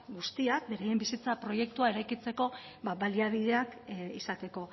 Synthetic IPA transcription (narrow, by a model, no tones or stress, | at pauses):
ɡust̪iak̚be̞ɾaje̞mbisit͡sapɾo̞je̞k̚t̪uae̞ɾajkit͡se̞ko̞ | βaβaliaβ̞ið̞e̞akisat̪e̞ko̞